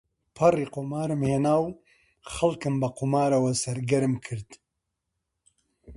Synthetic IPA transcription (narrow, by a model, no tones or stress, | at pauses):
pʰɐriːqoːmaːɾɨmheːnaːw | xɐlkɨmbɐqʰʊmaːɾɐwɐsɐɾɡɐɾɨmkʰɨɾd̪